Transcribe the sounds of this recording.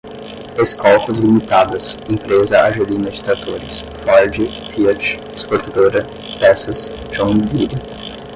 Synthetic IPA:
eskɔwt̪ɐzlimit̪ad̪ɐsẽmpɾezɐaʒelĩnɐd͡ʒɪt̪ɾat̪oɾɪs | fɔɾd͡ʒɪ | fiɐt͡ʃ | espoɾt̪ad̪oɾɐ | pɛsɐs | d͡ʒõnd̪iɾi

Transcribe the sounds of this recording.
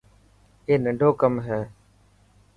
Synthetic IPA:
eːnəɳɖʱoːkəmɦɛː

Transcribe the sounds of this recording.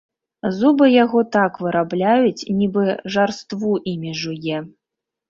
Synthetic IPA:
zubɨjaɣɔt̪akvɨɾablʲajut͡sʲnʲibɨʐarst̪vuʔimʲiʐujɛ

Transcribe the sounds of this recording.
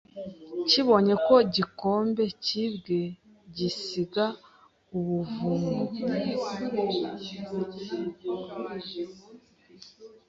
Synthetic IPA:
ciβo̞ɲe̞ko̞ɟikoːmbe̞cibɡe | ɟisiɡa | uβuvumɡo

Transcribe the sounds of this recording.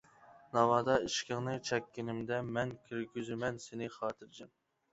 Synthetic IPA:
nɑwɑːd̪ɑiʃkʲɪŋnɨt͡ʃʰɛkʲːinɪmd̪ɛmɛnkʲʰyɾɡʲyzymɛnsenɪχɑːt̪ʰɨɾd͡ʒɪm

